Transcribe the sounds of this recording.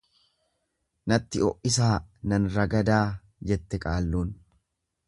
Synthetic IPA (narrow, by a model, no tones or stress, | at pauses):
nɐt̪ːɪɔʔɪsaːnɐnɾɐɡɐd̪aː | d͡ʒɛt̪ːɛkʼaːlːuːn